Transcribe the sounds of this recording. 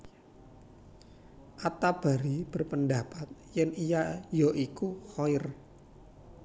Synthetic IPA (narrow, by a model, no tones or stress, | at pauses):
ʔat̪ab̥a̤ɾib̥ə̤rpəndapat̪̚jɛnijajoʔikuxɔɪr